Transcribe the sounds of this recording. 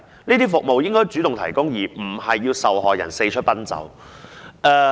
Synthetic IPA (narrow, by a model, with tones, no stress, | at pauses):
niː˥t̪iː˥fʊ˨k̚mo˨wjɪ˥ŋkɔː˥jt͡syː˨˥t̪ʊ˨ŋt̪ʰɐ˨˩jkʊ˥ŋjiː˨˩m̩˨˩hɐ˨jːiː˧wsɐ˨wɦɔː˨jɐ̰˨˩nse˧t͡ʃʰɵ˥pɐ˥nt͡sɐ̰˨˥w | ʔɛː˧